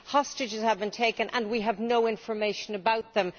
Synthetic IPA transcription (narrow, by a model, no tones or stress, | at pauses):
hɒstɨd͡ʒɨz̥həvbɨ̃ntʰeɪkɨ̃nʔə̰̃nwiəvnoʊɪ̃ɱfə˞meɪʃə̃nəbaʊt̪̚ðə̃m